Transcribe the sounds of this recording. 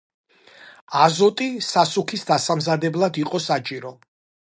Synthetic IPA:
azɔt̪ʼisasukʰisd̪asamzad̪ɛblˠad̪iqʼɔsat͡ʃʼiɾɔ

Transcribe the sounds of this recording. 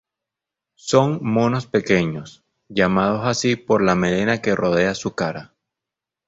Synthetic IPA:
so̞ŋmo̞no̞spe̞ke̞ɲo̞s | ʝamað̞o̞sasipo̞ɾlame̞le̞nake̞rʔo̞ð̞e̞asukaɾa

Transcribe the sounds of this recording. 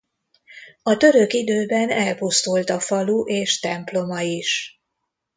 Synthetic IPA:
ɒt̪ø̞ɾø̞kid̪øːbɛnɛlpust̪ult̪ɒfɒluʔeːʃt̪ɛmplo̞mɒiʃ

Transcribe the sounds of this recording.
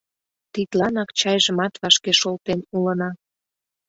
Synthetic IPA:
t̪it̪lɑnɑkt͡ɕɑjʒəmɑt̪βɑʃkeʃolˠt̪enulə̆nɑ

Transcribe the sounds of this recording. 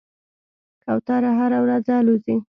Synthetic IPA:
kawt̪ɑɾaɦaɾawɾazalozi

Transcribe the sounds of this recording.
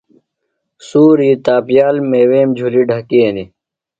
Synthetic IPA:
suːɾiːt̪aːpjaːlmeːweːmd͡ʑʱuliɖʱɐkiːni

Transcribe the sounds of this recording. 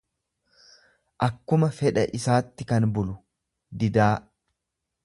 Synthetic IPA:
ʔɐkːʊmɐfɛᶑɐʔɪsaːt̪ːɪkɐnbʊlʊ | d̪ɪd̪aː

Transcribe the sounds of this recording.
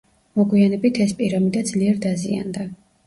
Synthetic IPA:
mɔɡwianɛbit̪ʰɛspʼiɾamid̪ad̪zliɛɾd̪azia̰nd̪a

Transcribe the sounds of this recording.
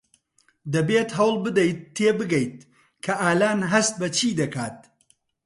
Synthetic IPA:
d̪ɐbeːt̪ɦɐwlˠbɨd̪ɐjt̪ʰːeːbɨɡɐjt̪̚ | kʰɐʔaːlaːnɦɐst̪̚bɐt͡ʃʰiːd̪ɐkaːt̪̚

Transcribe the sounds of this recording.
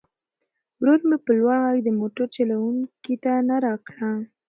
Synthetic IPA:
wɾuɾmepəlwaɽɑjd̪əmoʈaɾt͡ʃalawuŋkit̪anaɾɑkɽa

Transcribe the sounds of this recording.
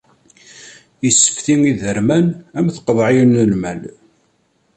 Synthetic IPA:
jəsːə̥fθiŋiðəɾmænæmθə̥qðˤʕijnəlmæl

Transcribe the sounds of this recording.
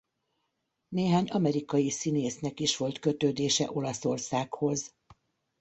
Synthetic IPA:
neːɦaːɲɒmɛɾikɒjisineːsnɛkiʃʋo̞lt̪kø̞t̪øːd̪eːʃɛʔo̞lɒso̞rsaːkho̞z

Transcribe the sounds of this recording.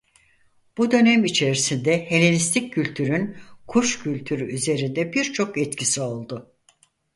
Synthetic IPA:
b̥ud̪ø̞nɛmit͡ʃʰe̞ɾisind̪ɛhe̞lʲinist̪ʰicʲʰːylʲt̪ʰyɾynkʰuʃcʰylʲt̪ʰyɾyyze̞ɾind̪ɛbiɾt͡ʃʰo̞kɛt̪cʰisio̞lˠd̪ʊ

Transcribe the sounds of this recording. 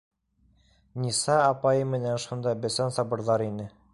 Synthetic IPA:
nʲisɑːpɑjɤmɘ̆nænʃund̪ɑbɘ̆sænsɑbɤ̆ɾðɑɾinɘ

